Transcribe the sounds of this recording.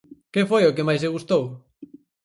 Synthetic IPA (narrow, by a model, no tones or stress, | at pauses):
kefojokɪmajseɣ̞ust̪ow